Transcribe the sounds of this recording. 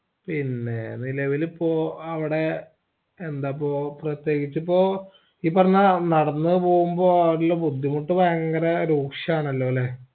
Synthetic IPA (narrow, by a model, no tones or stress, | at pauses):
pinːe̞̰nilɐʋilipːoːɐʋiɽe̞ | end̪aːpːoːprɐt̪je̞ːɡit͡ɕːɨpːo̞ː | iːpːɐrɐɲːanɐɽɐnːɨpo̞ːɣumbo̞ːɐʋɽilːoːbud̪ʱːimuʈːɨʋajɐŋŋɡɐɾɐɾuːkʂɐaːɳɐlːo̞ːleː